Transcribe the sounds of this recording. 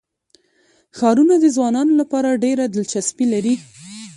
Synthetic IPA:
xɑɾunad̪əzwɑnɑnolapɑɾaɖeɾad̪əlt͡ʃaspilaɾi

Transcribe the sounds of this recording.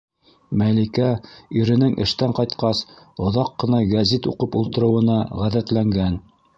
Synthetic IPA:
mælikæiɾɘ̆nɘŋʔɘ̰̆ʃt̪æɴqɑjt̪qɑs | ŏðɑqːɤ̆nɑɡæzit̪uqɤpulˠt̪ɤ̆ɾɤ̆wɤ̆nɑʁæðæt̪læŋɡæn

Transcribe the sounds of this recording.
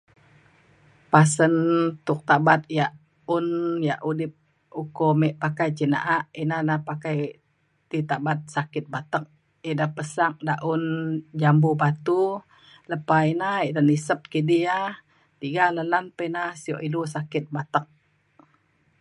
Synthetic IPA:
pasənt̪ʊk̚t̪abat̪̚jaʔ | unjaʔudɪp̚ | ukomɛʔpakajt͡ʃina̰ʔaʔinanahpakaj | t̪it̪abat̪̚sakɪt̪̚bat̪ək̚ | idapəsak̚daʔund͡ʒambubat̪u | ləpainaiʔdanisəp̚kidia | t̪iɡaləlanpəinasio̰ʔilusakɪt̪̚bat̪ək̚

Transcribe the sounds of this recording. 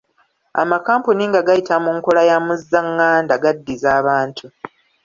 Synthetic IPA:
a̰makaːmpuniŋɡaɡajitamuŋkolajamuzːaŋːaːndaɡadːizaːβaːntʰu

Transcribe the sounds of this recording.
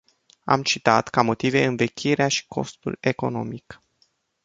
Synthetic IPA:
a̰mt͡ʃit̪at̪kamo̞t̪ive̞ɨnve̞kʲʰiɾeaʃi̥kʰo̞st̪ṵle̞ko̞no̞̰mik

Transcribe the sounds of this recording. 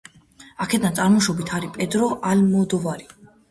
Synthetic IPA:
akʰɛd̪ansʼaɾmɔʃɔbit̪ʰaɾipʼɛd̪ɾɔʔalmɔd̪ɔvaɾi

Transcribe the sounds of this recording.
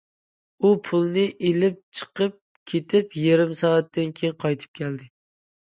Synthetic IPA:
upʰulˠnɪʔelɪp̚t͡ʃʰə̥qəp̚ | kʲʰet̪ʰɪpjeɾɪmsɑɛt̪ːɪnkʲʰejŋqʰɑjt̪ʰɨ̥p̚kʲʰɛld̪ɪ

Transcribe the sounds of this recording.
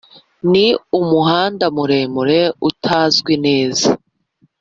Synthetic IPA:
niumuɦaːndamuɾe̞ːmuɾe̞utʰaːzɡwine̞ːza

